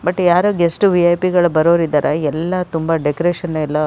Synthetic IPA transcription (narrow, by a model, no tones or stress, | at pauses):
bɐʈːjaːɾoːɡesʈuʋiɐjpiɡɐɭubɐɾoːɾid̪ːɐːɾʔɐɛlːɐt̪umbɐɖekɾeːʃɐnːɛlːɐ